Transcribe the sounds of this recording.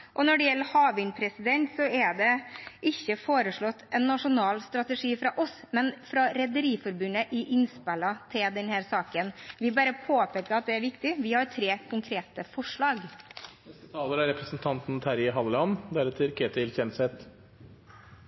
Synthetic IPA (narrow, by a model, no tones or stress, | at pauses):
ʔɔnɔɖɛjɛlːəhɑːʋɪŋpʰɾɛsɪd̪ɛnt̪sɔɛɖɛʔɪçːəfoːɾəʂɭɔt̪ːɛnːɑʂʊnɑːlst̪ɾɑt̪əʂiːfɾɑʔɔsmɛnfɾɑɾɛd̪əɾiːfɔɾbʉnəʔɪʔɪnspɛlɑt̪ʰɪld̪ɛnhæːɾsɑːkənʋɪbɑːɾəpʰoːpeːkːəɑt̪̚d̪ɛæɾʋɪkt̪ɪʋɪhɑɾt̪ʰɾeːkʰʊŋkʰɾeːt̪əfɔʂɭɑːɡnɛst̪ət̪ʰɑːləɾɑɾɛpɾəsn̩t̪ʰɑnt̪n̩t̪ʰæɾɪɦɑləlɑnd̪æɾət̪ʰɪlkʰeːt̪ɪlçɛnsɛt̪